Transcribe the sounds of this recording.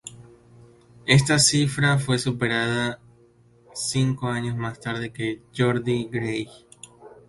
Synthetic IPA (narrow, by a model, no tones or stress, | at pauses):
e̞st̪asifɾafwe̞supeɾaða | siŋkoaɲo̞zmast̪aɾðe̞ke̞ʝo̞ɾðiɡɾej